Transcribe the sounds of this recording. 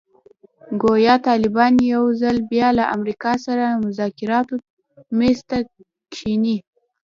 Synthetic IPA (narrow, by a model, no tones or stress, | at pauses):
ɡojɑt̪ɑlɪbɑnjawzalbjɑlaʔamɾikɑsaɾamʊzɑkɪɾɑt̪o | mest̪a | kʰini